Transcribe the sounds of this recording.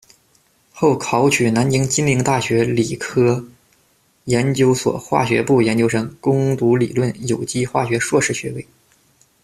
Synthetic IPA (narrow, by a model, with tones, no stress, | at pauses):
xo˥˩ʊkʰɑ˧˥ʊt͡ɕʰy˨˩na˧˥nt͡ɕi˥ŋt͡ɕi˥nli˧˥ŋt̪a˥˩ɕɥɛ˧˥li˨˩kʰɤ˥ | jɛ˧˥nt͡ɕjo˥ʊswɔ̰˨˩xwa̰˥˩ɕɥɛ̰˧˥pu˥˩jɛ˧˥nt͡ɕjo˥ʊʂɤ˧˥ŋkʊ˥ŋt̪u˧˥lḭ˨˩lwə˥˩njo˨˩ʊt͡ɕi˥xwa̰˥˩ɕɥɛ˧˥ʂwɔ˥˧ʂɻ̩˥˩ɕɥɛ˧˥we˥˩ɪ